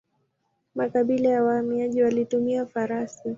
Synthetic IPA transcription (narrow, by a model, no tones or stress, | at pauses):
makaɓilajawahamiaʄiwalitumiafaɾasi